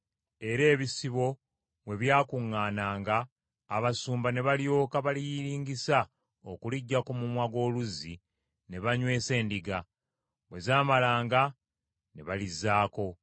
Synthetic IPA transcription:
e̞ɾe̞ːβisiβo̞ | βwe̞βjaːkuŋːaːnaːŋɡaː | βasuːmbane̞βaljo̞ːkaβalijiɾiːɲɡisa | okuliɟːako̞mumwaɡo̞ːluzi | ne̞βaɲwe̞ːse̞ːndiɡa | we̞zaːmalaːŋɡa | ne̞βalizaːko̞

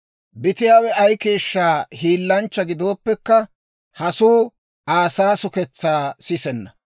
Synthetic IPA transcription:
bɪt̪ɪjaːwɛɐjke̞ːʃːaːhiːlːɐnt͡ʃːɐɡɪd̪o̞ːpːɛkːɐ | hɐsuː | aːsaːsʊkɛt͡sːaːsɪsɛnːɐ

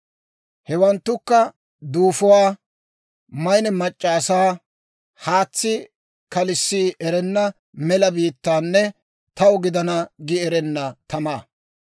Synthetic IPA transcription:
hɛwɐnt̪ːʊkːɐ | d̪uːfɔwaː | mɐjnɛmɐt͡ʃʼːaːsaː | haːt͡sːɪ | kɐlɪsːiːʔɛɾɛnːɐ | mɛlɐbiːt̪ːaːnːɛ | t̪ɐwʊɡɪd̪ɐnɐɡɪɛɾɛnːɐt̪ɐmaː

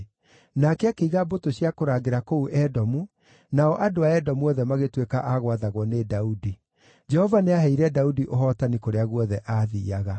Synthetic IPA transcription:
nakɛakeiɣabotoɕiakoɾaːɣeɾakouʔɛdɔmu | naɔʔadoaɛdɔmuɔðɛmaɣetwekaʔaɣwaðaɣwɔnedaudi | d͡ʒɛhɔvaneaɦɛiɾɛdaudiʔoɦɔtanikoɾeaɣwɔðɛʔaðiːaɣa

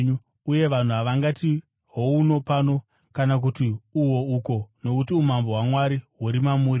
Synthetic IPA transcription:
ɲu | uje̞ʋan̤uɦaʋaŋɡati | ɦouno̞pano̞ | kanak̬utiuwo̞uko̞no̞kutiumamboɦwamwaɾiɦuɾimamuːɾi

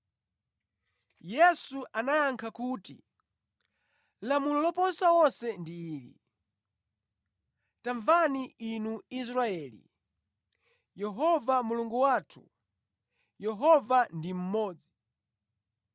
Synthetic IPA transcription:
jɛsuʔanajaŋkʰakuːtḭ | lamulɔlɔpɔnsawɔnsɛndiːlḭ | taɱvaniinuis̬ɾaɛːlḭ | jɛɦɔvamuluŋɡuwaːtʰu | jɛɦɔvandim̩mɔːd͡zi

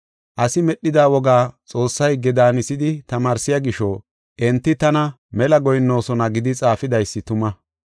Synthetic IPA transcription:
ʔɐsɪmɛɗːɪd̪aːwɔɡaːt͡sʼo̞ːsːɐjɡɛd̪aːnɪsɪd̪ɪt̪ɐmaːɾsɪjaɡɪʃɔ | ʔɛnt̪ːɪt̪ɐnɐ | mɛlɐɡɔjnːo̞ːsɔnɐɡɪd̪ɪt͡sʼaːfɪd̪ɐjsːɪt̪ʊmɐ

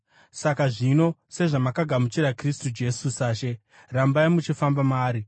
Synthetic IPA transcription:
sakaʐino̞se̞ʐamakaɡʱamut͡ʃiɾakristud͡ʒe̞susaːʃe̞ | rambaimut͡ʃifambamaːɾi

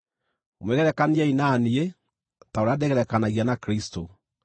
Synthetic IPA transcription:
omwɛɣɛɾɛkaniainaːnie | taoɾadɛɣɛɾɛkanaɣianakɾisto

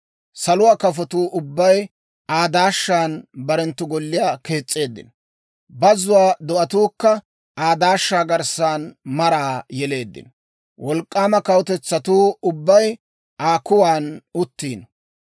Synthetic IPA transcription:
sɐlʊwaːkɐf̬ɔt̪uːʔʊbːɐj | aːd̪aːʃːaːnbɐɾɛnt̪ːʊɡɔlːɪjaːke̞ːt͡sʼːe̞ːd̪ːɪ̰n | bɐzʊwaːd̪ɔʔɐt̪uːkːɐ | aːd̪aːʃːaːɡɐɾsaːnmɐɾaːjɛle̞ːd̪ːɪ̰nɔ | wɔlkʼːaːmɐkɐwɔt̪ɛt͡sːɐt̪uːʊbːɐj | ʔaːkʊwaːnʊt̪ːiːn

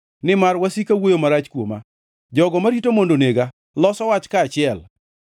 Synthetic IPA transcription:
nɪmaɾwasikawojomaɾat͡ʃkwoma̰ | d͡ʒɔɡɔmaɾitomondoneɡa | lɔsɔwat͡ʃkaːt͡ʃɪɛl

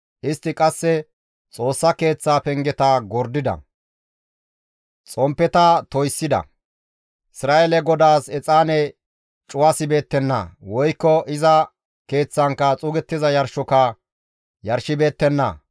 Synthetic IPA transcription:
ʔɪst̪ːɪkʼɐsːɛ | t͡sʼo̞ːsːɐke̞ːt͡sːaːpɛŋɡɛt̪ɐɡɔɾd̪ɪd̪ɐ̰ | t͡sʼɔmpːɛt̪ɐt̪ɔjsːɪd̪ɐ̰ | ɪsɾaːɛlɛɡɔd̪aːsɛt͡sʼaːnɛ | t͡ʃʼʊwasɪbe̞ːt̪ːɛnːɐ̰wɔjkːɔʔɪzɐ | ke̞ːt͡sːɐŋkːɐt͡sʼʊɡɛt̪ːɪzɐjɐɾʃɔkɐ | jɐɾʃɪbe̞ːt̪ːɛnːɐ̰

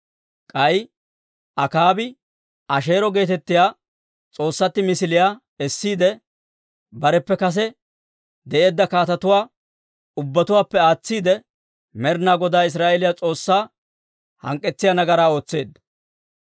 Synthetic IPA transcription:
kʼɐj | ʔɐkaːbɪ | ɐʃe̞ːɾɔɡe̞ːt̪ɛt̪ːɪjaː | t͡sʼo̞ːsːɐt̪ːɪmɪsɪlɪjaː | ɛsːiːd̪ɛ | bɐɾɛpːɛkɐs̬ɛ | d̪ɛʔe̞ːd̪ːɐkaːt̪ɐt̪ʊwaː | ʊbːɐt̪ʊwaːpːɛaːt͡sːiːd̪ɛ | mɛɾnaːɡɔd̪aːɪs̬ɾaːʔelɪjat͡sʼo̞ːsːaː | hɐ̰ŋkʼːɛt͡sːɪjaːnɐɡɐɾaːo̞ːt͡sːe̞ːd̪ɐ

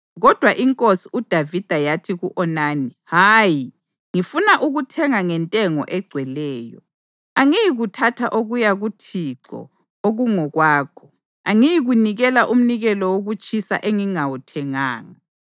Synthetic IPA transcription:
ɣɔd̥ʱwaʔiŋkʼosiud̥ʱavid̥ʱajatʰiɣuʔɔnaːnihaji | ŋifunaʔuɣutʰɛŋaŋɛntʼɛŋɔ̰ʔɛɡ͡ǀʱwɛlɛːjɔ̰ | aŋijiɣutʰatʰaʔoɣujaɣutʰiǀɔ̰ | oɣuŋɔɣwaːkʰɔ̥ | aŋijiɣuniɣɛlaʔum̩niɣɛlɔwoɣut͡ʃʼʰisa̰ʔeŋiŋawutʰɛŋaːŋa

